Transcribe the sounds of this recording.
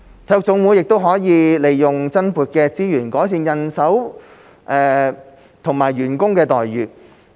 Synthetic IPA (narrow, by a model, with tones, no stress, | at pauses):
t̪ʰɐ˨˧˥jʊ˨k̚t͡sʊ˨˧˥ŋwu˨˧˥jɪ˨k̚t̪o˥wɦɔː˨˥jiː˨˧le˨˩jːʊ˨ŋt͡sɐ˥npuː˨t̚kɛː˧t͡siː˥jyː˨˩nkɔː˨˥js̬iː˧njɐ˨nsɐ˨˥w | ʔɛː˨˧ | t̪ʰʊ˨˩ŋmaː˨˩jɥyː˨˩nkʊ˥ŋkɛː˧t̪ɔː˨jːyː˨